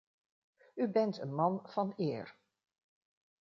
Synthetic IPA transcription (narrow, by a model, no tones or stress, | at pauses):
ybɛntə̰nmɑnv̥ɑnɪːɹ